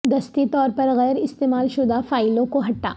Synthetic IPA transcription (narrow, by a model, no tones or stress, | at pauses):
d̪ɐst̪it̪ɔːɾpɐɾɣɛːɾɪst̪eːmaːlʃʊd̪afaːɪlõkoɦɐʈːa̰ː